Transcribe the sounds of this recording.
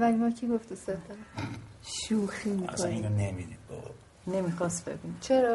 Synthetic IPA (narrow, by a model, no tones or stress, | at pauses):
vælʲmɒːkʰiɡoft̪iset̪ɒ | ʃuːximikʰoionemid̪id̪̚bo̰ | nemiːxɒːst̪b̥ḛɡunt͡ʃʰeɾɒ